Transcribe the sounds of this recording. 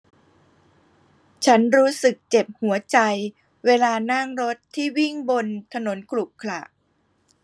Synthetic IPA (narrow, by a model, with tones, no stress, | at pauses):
t͡ɕʰa˦˥nɾuː˦˥sɯ˨˩k̚t͡ɕe˨˩p̚hu˩˦ɐt͡ɕa˧j | weː˧laː˧na˥˩ŋɾo˦˥t̪ʰːiː˥˩wi˥˩ŋbo˧nt̪ʰa˧no˩˦nkʰlu˨˩p̚kʰla̰˨˩ʔ